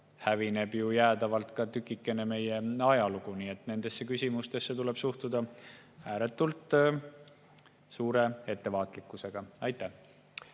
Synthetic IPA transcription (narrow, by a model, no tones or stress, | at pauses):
hævine̞b̥jujæːd̪̥ɑvɑlt̪kɑt̪ykːˑikːˑe̞ne̞me̞je̞ɑjɑluɡ̥uniːe̞t̪ne̞nd̪̥e̞sːekysʲimust̪e̞sːet̪ule̞b̥suht̪ud̪̥ɑ | æːɾe̞t̪ːˑult̪ˑ | suːɾe̞e̞t̪ːe̞vɑːt̪ˑlikːˑuse̞ɡ̥ɑɑjt̪ˑːæh